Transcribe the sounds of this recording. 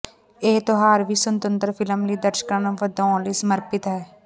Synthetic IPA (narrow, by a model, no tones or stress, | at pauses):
eːt̪oɦaːɾʋiːsənt̪ənt̪əɾpʰɪləmliːd̪əɾʃə̥kãnəʋəd̪ɔ̃ːliːsəməɾpɪt̪ɦɛː